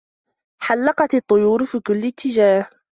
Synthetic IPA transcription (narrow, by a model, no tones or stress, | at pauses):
ħalːɑqɑt̪ɑt̪ˤːʊjuːɾfiːkʊlːɪt̪ːɪd͡ʒaːh